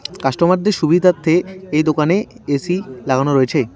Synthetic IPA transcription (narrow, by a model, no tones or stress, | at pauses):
kaʃʈomaɾd̪eɾʃubʱid̪ʱat̪ʰːeejd̪okaneesilaɡʱanoɾoet͡ɕʰe